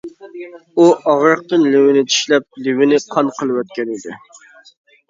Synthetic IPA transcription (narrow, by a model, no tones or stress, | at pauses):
uʔɑʁɾəq̚t̪ɨnlɪwɪnɪt͡ʃ̪ʰi̥ʃlɛp̚lɪwɪnɪqʰɑnqʰəlˠɨwɛt̪̚kʲɛnɪd̪ɪ